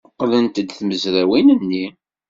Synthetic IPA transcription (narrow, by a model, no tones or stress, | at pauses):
qːlənt̪əd̪θməzɾæwinənːi